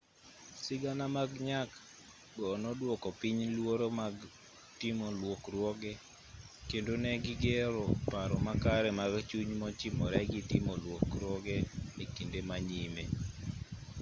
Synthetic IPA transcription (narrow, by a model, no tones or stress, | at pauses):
sɪɡanamaɡɲak | ɡɔnɔdwɔkɔpiɲlwoɾomaɡ | timolwokɾwɔɡɛ | kendonɛɡɪɡeɾɔpaɾɔmakaɾɛmaɡt͡ʃuɲmɔt͡ʃimɔɾɛɡitimɔlwokɾwɔɡɛlɛkindemaɲimḛ